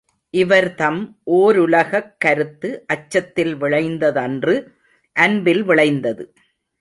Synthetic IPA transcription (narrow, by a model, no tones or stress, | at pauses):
ʔɪʋɐɾt̪ɐmʔoːɾʊlɐɣɐkːɐɾɯt̪ːɯʔɐt͡ʃːɐt̪ːɪlʋɪɭɐɪnd̪ɐðɐndrɯ | ʔɐnbɪlʋɪɭɐɪnd̪ɐðɯ